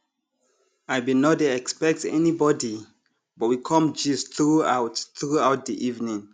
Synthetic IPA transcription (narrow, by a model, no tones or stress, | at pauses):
aɪbinodeɛkspɛk̚tɛ̰nibɔdi | bɔt̚wikʰɔ̃md͡ʒisθɹuaʊtθɹuawt̚diʔivnĩŋ